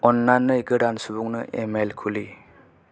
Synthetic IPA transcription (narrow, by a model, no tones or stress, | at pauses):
ɔnlanːɯjɡɯɾansubuŋnɯʔemelkʰuli